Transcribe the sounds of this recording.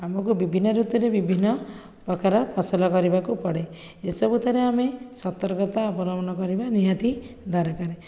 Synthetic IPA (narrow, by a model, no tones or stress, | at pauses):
amɔkubibʱinːɔɾut̪ɔɾebibʱinːɔ | pɔkaɾɔpʰasɔlɔkɔɾibakupɔɽe | esɔbut̪ʰaɾeamesɔt̪ɔɾɡɔt̪aɔbɔlɔmɔnɔkɔɾibaniɦat̪i | d̪ʱaɾɔkaɾe